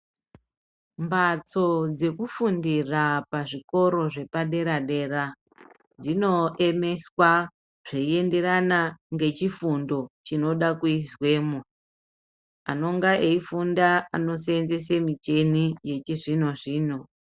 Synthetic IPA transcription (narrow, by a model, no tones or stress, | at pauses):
mbat͡so̞d͡ze̞kufundirapaʐiko̞ɾo̞ʐe̞paɗe̞ɾaɗe̞ra | d͡zino̞ʔe̞me̞swa | ʐ̥eie̞nde̞ɾanaŋɡe̞t͡ʃifundo̞t͡ʃino̞ɗakuizwe̞ːmo | a̰no̞ŋɡaʔeifundaa̰no̞seenze̞semit͡ʃe̞nije̞t͡ʃiʐinoʐiːno